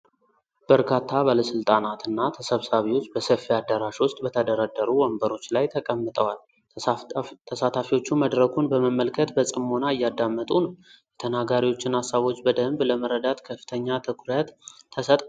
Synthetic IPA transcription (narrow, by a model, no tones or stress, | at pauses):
b̥əɾkʰat̪ʰːabaləsɨlt̪ʼanat̪ɨnːat̪ʰəsəβsaβiwʊsbəsəfːiad̪əɾaʃwʊst̪ʼbət̪ʰəd̪əɾad̪ːəɾuwɔmbəɾo̞t͡ʃːlajt̪ʰəkʼəmːɨt̪ʼəwal | t̪ʰːəsat̪ʰafiwo̞t͡ʃːuməd̪ɾəkʰunbəməmːəlkʰət̪bəsʼɨmːonaɨjːad̪ːamːət̪ʼunəwjɛt̪ʰənaɡaɾiwo̞t͡ʃːɪnasːaβo̞t͡ʃːbəd̪əmbləməɾəd̪at̪kʰəfːɨ̥t̪ʰəɲːat̪ʰəkʰuɾjat̪ʰːəsət̪ʼ